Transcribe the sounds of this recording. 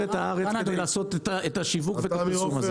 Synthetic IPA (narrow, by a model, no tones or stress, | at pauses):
et̪aaʁet͡sked̪ejlaːso̞t̪etaetaʃivukveːtasumaze